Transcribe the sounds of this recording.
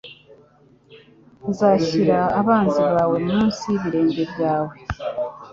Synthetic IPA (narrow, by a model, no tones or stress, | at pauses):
nzaːçiɾaːβaːnziβaːwe̞muːnsiβiɾe̞ːɲɟe̞bjaːwe̞